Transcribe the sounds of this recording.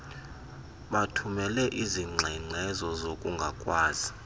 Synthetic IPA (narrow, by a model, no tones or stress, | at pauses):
ɓatʰumɛlɛʔiziŋ͡ǀʱɛŋ͡ǀʱɛzɔzokʼuŋɡʱakʼwaːzi